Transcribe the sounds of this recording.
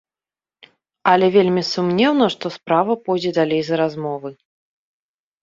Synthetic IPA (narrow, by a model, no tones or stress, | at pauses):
ɐlʲɛvʲelʲmʲisumnʲɛwnɐʂt̪ɔspɾavɐpɔjd͡zʲɛd̪alʲejzɐɾazmɔvɨ